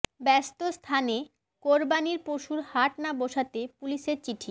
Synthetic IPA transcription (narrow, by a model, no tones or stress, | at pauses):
bɛst̪ost̪ʰane | koɾbaniɾpoʃuɾhaʈnaboʃat̪epuliʃeɾt͡ɕiʈʰi